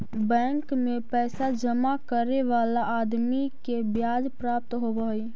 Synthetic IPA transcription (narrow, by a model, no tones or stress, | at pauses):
bɛ̃ːŋkmẽpɛːsad͡ʒəmakəɾeʋaːlaʔaːd̪mikebjaːd͡ʒpɾaːp̚t̪ɦobəɦi